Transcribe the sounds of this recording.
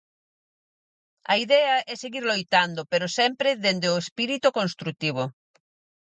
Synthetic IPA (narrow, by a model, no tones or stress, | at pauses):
ɐ̰iðɛɐʔɛseɣiɾlojt̪and̪opeɾosɛmpɾeðend̪eoespiɾit̪ukõnst̪ɾut̪iβ̞o